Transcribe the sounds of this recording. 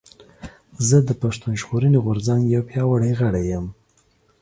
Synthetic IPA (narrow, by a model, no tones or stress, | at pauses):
zəd̪əpaʂt̪unʒɣoɾəniɣʊɾzaŋɡjawpjɑwaɽajɣəɽajəm